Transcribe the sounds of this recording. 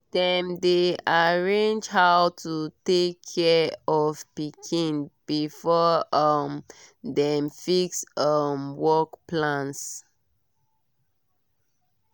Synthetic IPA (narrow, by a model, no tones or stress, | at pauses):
d̥ɛ̃mdeaɹẽnd͡ʒhawtʰutekʰːɛɔvpikʰĩnb̥ifɔʌmdɛmfiksʌmwɔkplãns